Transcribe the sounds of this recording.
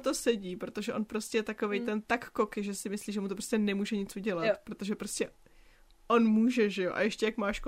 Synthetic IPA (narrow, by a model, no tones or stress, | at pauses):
t̪o̞sɛɟiːpɾo̞t̪oʒɛʔo̞npɾo̞stcʲɛjɛt̪ako̞vɛjt̪ɛnt̪akːokɪʒɛsɪmɪsliːʒɛmut̪o̞pɾoscʲɛnɛmuːʒɛɲɪt͡suɟɛlat̪pɾo̞t̪o̞ʒɛpɾo̞scʲɛ | ʔo̞nmuːʒɛʒɛjo̞̰ʔa̰jɛʃcʲɛjakmaːʃko